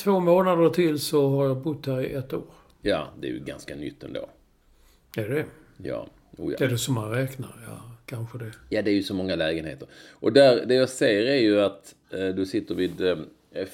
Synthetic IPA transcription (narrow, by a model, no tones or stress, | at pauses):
t̪ʰvoːmoːnad̪əʈʰɪlsɔɦaɾjabʊt̪ːdæɾɪʔɛt̪ːo̰ːɾ | jɑːd̪ɛæ̰jɵ̰ɡa̰nskanʏ̰t̪ːɛnd̪o̰ː | æɖɛ | jɑ̰ː | ṵːæɖɛsɔmhanɾɛːkna̰ɾjɑ̰kʰanɧəd̪ɛjɑːd̪ɛæɾjɵsɔmɔŋːalɛːɡənhḛːt̪əɾʔɔd̪æɾd̪ɛjaseːəɾæɾjɵat̪ | d̪ɵsɪt̪ːəɾvid̪